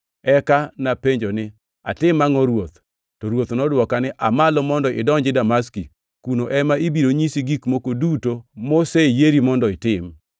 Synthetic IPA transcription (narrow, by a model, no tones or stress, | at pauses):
ɛkanapeɲd͡ʒonɪ | a̰tɪmːaŋɔɾwot̪ | tɔɾwot̪nɔdwɔkanɪʔamalɔmɔndɔɪ̰dɔɲd͡ʒɪdamaski | kunoʔɛmaibiɾoɲisiɡikmokodutomosejeɾimɔndɔɪtɪm